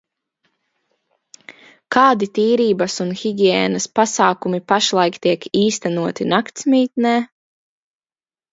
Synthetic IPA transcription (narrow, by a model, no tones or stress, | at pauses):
kaːd̪it̪iːɾiːbɐsunxiɡʲiɛːnɐspasaːkumipaʃlˠajkt̪iɛkiːst̪ɛnuɔt̪inakt̪smiːt̪nɛː